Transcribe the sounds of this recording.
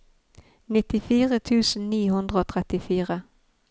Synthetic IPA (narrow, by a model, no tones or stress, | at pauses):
nɪt̪ɪfiːʁət̪ʰʉːsənniːhɵnd̪ʁəoːt̪ʰʁɛt̪ɪfiːʁə